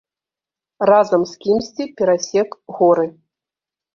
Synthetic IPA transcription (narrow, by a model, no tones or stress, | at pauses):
razɐmskʲimsʲt͡sʲipʲɛɾasʲɛkɣɔɾɨ